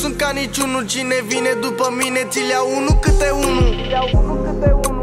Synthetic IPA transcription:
sunt̪̚kanit͡ʃunut͡ʃine̞vine̞d̪upəmine̞t̪sileaunukɨt̪eunuukɨt̪e

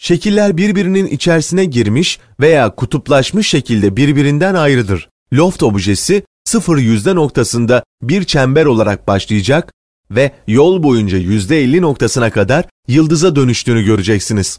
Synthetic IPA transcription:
ʃe̞cʰilʲːæɾbiɾbiɾininḭt͡ʃʰæɾsinɛɟiɾmiʃ | ve̞jaːkʰut̪ʰuplˠaʃmɯʃːe̞cʰilʲd̪ɛbiɾbiɾind̪ænajɾɯd̪ɯɾ̥ | lʲo̞ft̪o̞bʒe̞si | sɯfɯɾjyzd̪ɛno̞k̚t̪ʰasɯnd̪a | biɾt͡ʃʰɛmbæɾo̞lˠaɾak̚baʃlˠɯjɯd͡ʒak | vɛjo̞lˠbo̞jund͡ʒajyzd̪ɛːlʲːino̞kt̪ʰasɯnakʰad̪aɾ | jɯlˠd̪ɯzad̪ø̞nyʃt̪ʰyːnyɟø̞ɾyd͡ʒɛcsiniz̥

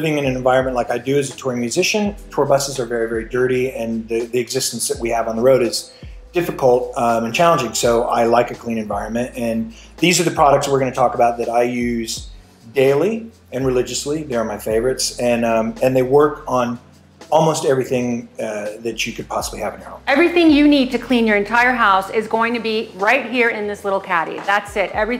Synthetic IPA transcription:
lɪvɪ̃ŋɨ̃nɨ̃nɨ̃ɱvaɪɹɨ̃nmɨ̃nʔlaɪkaɪdɨɨzɨtʰɔɹ̃ŋmjʉzɪʃɨ̃ntʰɔɹbʌsɨzə˞vɛɹivɛɹidɜ˞ɾiɨ̃nðɨðiɨɡzɪstn̩sðɨʔ̚wiɨvn̩ðəɹoʊɾɨz | d̥ɪfɨkʰl̩ˠt̚ɨ̃nt͡ʃʰælˠə̃nd͡ʒɪ̃ŋsoʊʔa̰ɪlaɪkɨkʰl̥ĩñɨ̃ɱvaɪɹɨ̃nmɨ̃ntɨ̃n | ðizə˞ðɨpʰɹ̥ɑɾɨk̚tswɪɹɡʌ̃nɨtʰɔkəbaʊt̪̚ðɨɾaɪjʉz | deɪlˠi | ɨ̃nɹɨlɪd͡ʒɨsliðeə˞maɪfeɪvə˞ɨtsɨ̃nɨ̃nðeɪwɜ˞kn̩ | ɔlˠmoʊstɛvɹiθɪ̃ŋ | ðɨt͡ʃɨkʰɨd̚pʰɑsəbliɨvɨ̃nhɛ̰lˠpɛvɹiθɪ̃ŋjɨnid̚tʰɨkʰl̥ĩnjə˞ɨ̃ntʰaɪə˞ɦaʊsɪzɡoʊɪ̃ŋtʰɨbiɹaɪt̚ɦiɹɪ̃nðɪslɪɾl̩ˠkʰæɾḭðætsɪɾɛvɹi

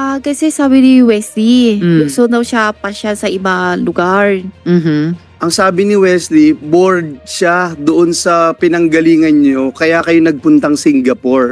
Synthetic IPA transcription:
ʔakɐsɛsaːbɪnɪwɛslibʊsonɐwʃapɐʃalsɐʔɪbalʊɡaɹm̩ | ʔɐŋsaːbɪnɪwɛsliboɹd̪̚ʃad̪oʔonsɐpɪnɐŋɡɐliːŋɐnɲokɐjaːkɐjonɐɡ̚pʊnt̪ɐŋsiŋɡɐpoɹ

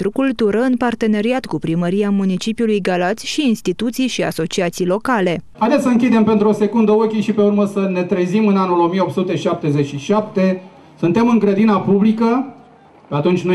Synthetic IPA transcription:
t̪ɾukult̪uɾəɨnpart̪e̞ne̞ɾiat̪kupɾiməɾiamunit͡ʃipijulujɡalat̪sʲʃiːnst̪it̪ut̪sijʃia̰so̞t͡ʃiat̪sijlo̞kale̞hajd̪esəɨŋkʲid̪e̞mpe̞nt̪ɾuo̞se̞kund̪əokʲiʃipe̞urməsəne̞t̪ɾezimɨnanulo̞mijeo̞pt̪sut̪e̞ʃap̚t̪e̞zet͡ʃiʃap̚t̪e̞ | sunt̪e̞mɨŋɡɾəd̪inapublikə | pe̞at̪unt͡ʃʲno

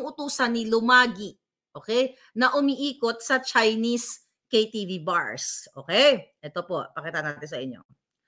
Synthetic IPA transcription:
ŋʔʊt̪uːsɐnːilʊmaːɡɪ | ʔo̞ːkɛj | nɐʔʊmiʔiːkot̪̚sɐt͡ʃajnis | kejt̪iːviba̰ɹsʔo̰ːkɛjʔɛt̪opo̞pɐkit̪ɐnat̪ɪnsɐʔɪɲːo̞̰

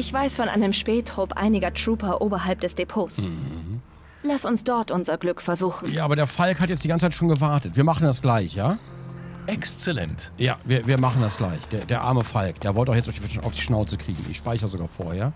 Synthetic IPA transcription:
ʔɪçv̥aɪsfɔnʔa̰ɪnəmʃpɛːtʰʁ̥ʊpʔa̰ɪnɪɡɐtʁ̥uːpɐʔoːbɐɦalp̚d̥ɛsd̥epʰoːs | lasʊnsd̥ɔɐtʔʊnzɐɡlʏkfɛɐzuːxn̩jaːʔːbɐɾeːɐfalkhatjɛt͡sd̥iɡant͡sət͡saɪtʃoːnɡəvaɐtətviːɐmaχn̩dasɡ̥laɪçjaː | ʔɛkst͡sɛlɛ̰nt | ja̰ːviːɐviːɐmaχn̩dasɡ̥la̰ɪçd̥eːɐdeːɐʔa̰ɐməfalkd̥eːɐvɔltaʊjɛt͡stʔaʊfiʔa̰ʊfd̥iːʃnaʊt͡səkʁ̥ḭːɡŋ̩ʔɪ̰çʃpaɪçʁəzoɡaːɐfo̰ːɐheːɐ

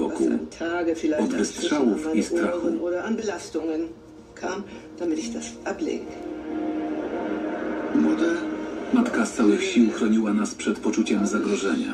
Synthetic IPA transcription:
ɔ̰kṵa̰mtʰaːɡəfilaɪɔd̪vɛst̪ʂawufaist̪ɾanʔoːdɐʔanbəlastʊŋən | kʰaːm | d̥amɪtɪçd̥asʔaplḛːɡkʰan | mɔd̪ɛmat̪kast̪sawɘxɕiwxɾɔɲiwanaspʂɛt̪pɔt͡ʂut͡ɕɛmzaɡɾɔʐɛɲa̰

